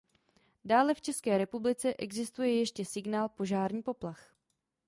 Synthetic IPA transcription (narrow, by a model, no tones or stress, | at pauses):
daːlɛft͡ʃɛskɛːɾɛpublɪt͡sɛʔɛɡzɪst̪ujɛjɛʃcɛsɪɡnaːlpo̞ʒaːɾɲiːpo̞plax